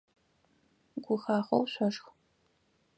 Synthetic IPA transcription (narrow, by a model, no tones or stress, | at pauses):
ɡʷʊxaːχɐwɕʷɐʂx